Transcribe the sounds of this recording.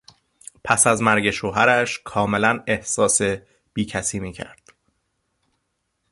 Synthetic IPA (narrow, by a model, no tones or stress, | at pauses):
pʰæsæzmæɾɟe̞ʃoːɦæɾæʃkʰɒːme̞læne̞hsɒːse | b̥iːcʰæsiːmiːcʰæ̰ɾd̪̥